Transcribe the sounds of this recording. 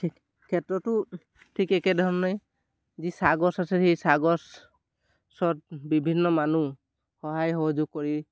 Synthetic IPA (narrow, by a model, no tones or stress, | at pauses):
kʰɛtɹɔtʊ | tʰikɛkɛdʱɔɹɔnaj | zisaɡɔsasɛhejsaɡɔs | sɔt̚bibʱinːɔmanu | xɔɦajxɔɦɔzʊɡ̚kɔɹi